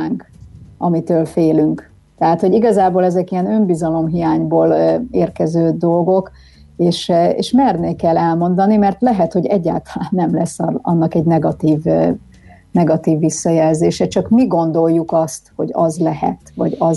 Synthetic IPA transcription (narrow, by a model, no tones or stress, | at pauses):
ŋkɒmit̪øːlfeːlyŋk | t̪ɛɦaːt̪ho̞ɟiɡɒzaːboːlɛzɛkijɛnø̞mbizɒlo̞mɦijaːɲboːleːrkɛzøːd̪o̞lɡo̞k | eːʃḛːʃmɛrneːkɛlːɛlmo̞nd̪ɒnimɛrt̪lɛɦɛt̪ho̞ɟɛɟːa̰ːlt̪ɒ̥laːnːɛmlɛsːɒnːɒkɛɟnɛɡɒt̪iːv | nɛɡɒt̪iːvːisːɒjɛlzeːʃɛt͡ʃɒkmiɡo̞nd̪o̞lːukɒst̪ho̞̰ɟɒ̰zlɛhɛ̰t̪ʋɒɟɒ